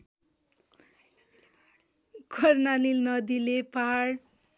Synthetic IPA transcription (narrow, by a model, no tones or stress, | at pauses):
ɡʰʱʌrnanilnʌd̪ilepaɦaɽ